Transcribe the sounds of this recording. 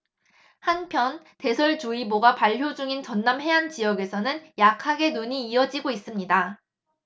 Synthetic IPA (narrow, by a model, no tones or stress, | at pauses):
hanpʰjʌn | te̞sʰʌɭt͡ɕuiboɡapaɭɦjod͡ʑuŋint͡ɕʌnːamɦe̞ant͡ɕijʌɡe̞sʰʌnɯnjakʰaɡe̞nuɲiːʌd͡ʑiɡois͈ɯmɲida